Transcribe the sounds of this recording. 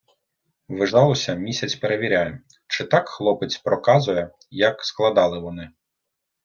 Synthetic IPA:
ʋɪʒɑlˠɔsʲɐmʲisʲɐt͡sʲpeɾeʋʲiɾʲajɛ | t͡ʃɪt̪ɑkxlˠɔpɪt͡sʲpɾɔkɑzʊjɛ | jɐksklˠɐd̪ɑlˠɪʋɔnɪ

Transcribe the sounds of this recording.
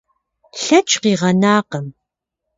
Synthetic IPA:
ɬɐt͡ʃʰʼqiːʁɐnaːqəm

